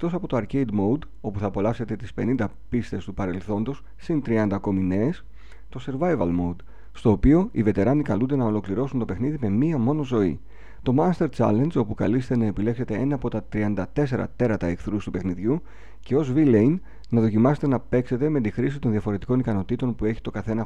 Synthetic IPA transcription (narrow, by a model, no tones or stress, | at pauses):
ekt̪o̞sɐpo̞t̪oɐɾce̞id̪mo̞d̪ | o̞puθɐːpo̞lɐfse̞t̪e̞t̪ispe̞nind̪ɐ | pist̪e̞st̪upɐɾe̞lθo̞nd̪os | sint̪ɾiɐnd̪ɐko̞mine̞ːs | t̪o̞se̞ɾvɐjvɐ̰lmoud̪ | st̪o̞ːpio̞ive̞t̪e̞ɾɐnikɐlund̪e̞nɐolo̞kliɾo̞sunt̪o̞pe̞xniðime̞miɐmo̞no̞zo̞ḭ | t̪o̞mɐst̪e̞ɾt͡sɐ̰lɐnd͡ʒo̞pukɐ̰list̪e̞nɐe̞pile̞kse̞t̪e̞enɐːpo̞t̪ɐt̪ɾiɐnd̪ɐt̪e̞s̬e̞ɾɐ̰t̪e̞ɾɐt̪ɐekθɾust̪upe̞xniðʝu | ce̞o̞zvilejn | nɐðo̞cimɐset̪e̞nɐpe̞kse̞t̪e̞me̞t̪ixɾisit̪o̞nðiɐfo̞ɾe̞t̪i̥ko̞nikɐno̞t̪it̪o̞npue̞çi̥t̪o̞kɐθe̞nɐ